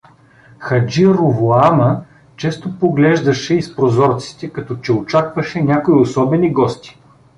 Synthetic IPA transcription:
xɐd͡ʒiɾovoamə | t͡ʃɛst̪opoɡlɛʒd̪ɐʃɛispɾozɔɾt̪si̥t̪ɛkɐt̪ɔt͡ʃɛot͡ʃakvɐʃɛnʲjakoiosɔbɛniɡɔst̪i̥

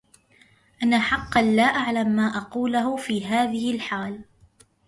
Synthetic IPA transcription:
ʔanːaħɑqːɑnlaːʔaʕlamːaːʔɑquːlaɦʊfiːɦaːðɪhɪlħaːl

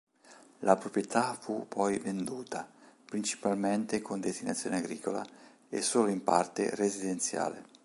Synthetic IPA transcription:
lʔapɾopɾjet̪ʰafupʰːɔjvend̪uːt̪ʰapɾint͡ʃi̥palment̪ekʰond̪est̪ina̰t̪sːjo̰ːneaɡɾiːkola̰ | ḛsːoːloimpa̰rt̪ḛrezid̪ent̪sja̰ːle

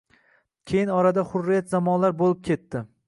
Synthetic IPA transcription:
kʲʰe̞jɪnɒɾad̪aχʊɾːijat̪zamɒnlaɾbolˠɪp̚kʲʰe̞t̪ːɪ

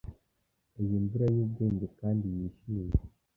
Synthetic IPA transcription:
ejimbuɾajuːb̚ɡe̞ːɲɟe̞kaːndijiːʃije

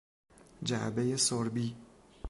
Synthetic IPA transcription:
d͡ʒabejesoɾbi

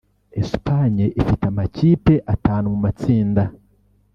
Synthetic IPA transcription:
espaɲeʔifitamaciːpe̞ʔataːnumumat͡siːnda

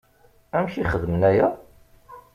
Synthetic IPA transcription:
æmʃiχəðmənæjæ

